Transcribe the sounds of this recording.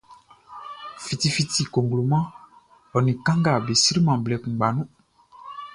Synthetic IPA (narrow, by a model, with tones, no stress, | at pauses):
fi˨ti˨fi˨ti˨ko˨ŋɡlo˨mã˦ | ɔ˨nĩ˨kã˦ŋɡa˨be˨si˦ɾi˦mã˨blɛ˨k͡pũ˨ɡ͡ba˨nũ˦